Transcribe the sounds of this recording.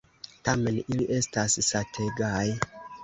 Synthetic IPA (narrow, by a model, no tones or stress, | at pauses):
tame̞niliʔe̞stassatʰe̞ɡaj